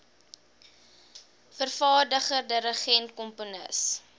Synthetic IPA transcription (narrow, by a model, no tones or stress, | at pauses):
fərfɑːrdəχədəɾəχɛntkɔmponə̰s